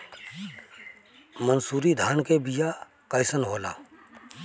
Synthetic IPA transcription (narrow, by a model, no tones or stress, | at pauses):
mənsuːɾid̪ʱaːnkebija | kəɪsənɦoːla̰ː